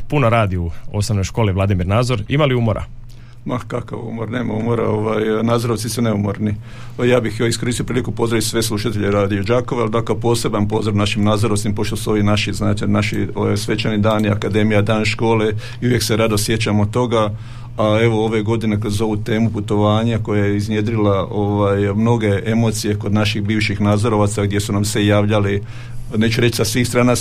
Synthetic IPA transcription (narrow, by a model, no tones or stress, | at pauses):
punoɾaːd̪iuo̞somno̞jʃko̞ːliʋlˠad̪imiɾnaːd̪zo̞ɾimaliuːmoɾʔa̰ | makaka̰ʋṵːmoɾne̞ːmauːmo̞ɾa̰oʋaːjnaːd̪zoɾoʋt̪isune̞umoɾni | jaːbixoiskoɾisiopɾiːlikupo̞zd̪ɾaʋisʋe̞slˠuʃat̪e̞ʎeɾaːd̪iod͡ʒaːkoʋeald̪akopo̞ːse̞banpo̞zoɾnaʃimnaːzoɾoʋt̪impo̞ʃt̪osuo̞ʋinaʃiznaːt̪enaʃioʋa̰jsʋe̞t͡ɕanid̪aːniakad̪e̞mijad̪aːnʃko̞ːle̞ | iuʋje̞kseɾad̪o̞sje̞t͡ɕamot̪o̞ɡa | ae̞ʋo̞o̞ʋe̞ɡo̞d̪inekɾozo̞ʋut̪e̞ːmuput̪o̞ʋaːɲako̞jajeiznje̞d̪ɾilaoʋajmno̞ɡe̞e̞mo̞t̪sije̞ko̞d̪naʃixbiːʋʃixnaːd̪zoɾo̞ʋat̪saɡd̪je̞sunamse̞jaːʋʎali | ne̞ːt͡ʃuɾet͡ʃsasʋiːxst̪ɾaːna